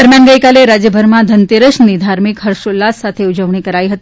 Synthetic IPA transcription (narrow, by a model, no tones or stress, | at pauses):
d̪əɾmjanɡəjkaleɾad͡ʑjəbʱəɾmad̪ʱənt̪eɾəʂnid̪ʱaɾmikɦəɾʃolːasat̪ʰeud͡zəʋɳikəɾajiɦət̪i